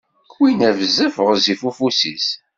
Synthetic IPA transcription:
kwinævzəfəʁzifufusis

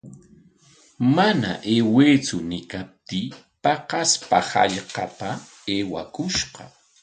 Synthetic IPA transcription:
mana̰ʔeːweːt͡sʊnɪkap̚t̪iː | pɑqɑspahɑ̰ʎqɑpa | eːwakʊʃɢɑ

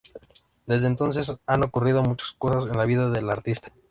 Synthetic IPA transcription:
d̪e̞zðeːnt̪o̞ns̬e̞sano̞kurið̞o̞mut͡ʃḁsko̞sase̞nlaβiðaðe̞laɾt̪ist̪ḁ

